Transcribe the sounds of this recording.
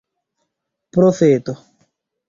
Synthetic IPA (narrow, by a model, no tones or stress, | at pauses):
pɾofeːt̪o